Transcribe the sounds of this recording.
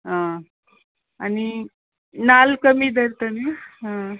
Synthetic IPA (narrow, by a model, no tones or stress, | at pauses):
ɦã | ani | nalkəmiːd̪ʱəɾt̪əniɦã